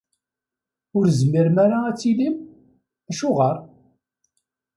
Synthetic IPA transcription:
ʊɾzmiɾmæɾaæt͡sːilim | æʃʊʁəɾˤ

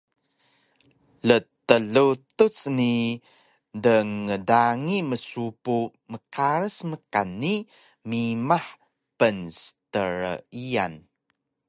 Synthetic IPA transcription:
lət̪əɮut̪ut͡sni | dəŋːədaŋiməsupu | məkaɾəsməkanːi | mimaħ | pənsə̥təɾə̰ia̰n

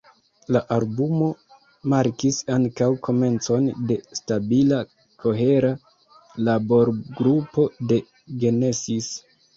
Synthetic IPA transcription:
laʔalbumo̞ | maɾkisaŋkawkʰo̞me̞nt͡so̞nde̞stabila | kʰo̞ɦe̞ɾa | labo̞ɾɡɾupo̞de̞ | ɡe̞nesis

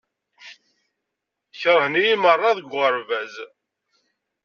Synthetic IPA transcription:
çɾˤənijimərˤːɑðəɡʷəɾvæz

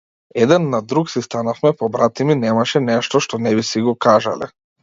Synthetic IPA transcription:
ɛd̪ɛnːad̪ɾuksist̪anafmɛpɔbɾat̪iminɛmaʃɛnɛʃt̪ɔʃt̪ɔnɛbisiɡɔkaʒa̰lɛ̰

